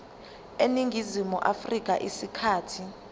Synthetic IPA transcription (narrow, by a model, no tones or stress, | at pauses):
eniŋɡʱizimuʔafrik̬ʼa̰ʔisikʰaːtʰi